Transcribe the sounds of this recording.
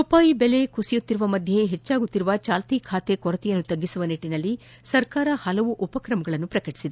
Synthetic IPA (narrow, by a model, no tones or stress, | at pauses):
upaːjibele̞kusijut̪ːiɾuʋɐmɐd̪ʱjeɦet͡ʃːaːɡut̪ːiɾuʋɐt͡ʃaːlt̪iːkʰaːt̪e̞kɔɾɐt̪ijɐnːut̪ɐɡːisuʋɐniʈːinɐlːi | sɐɾkaːɾɐhɐlɐʋuʔupɐkɾɐmɐɡɐɭɐnːupɾɐkɐʈi̥sid̪e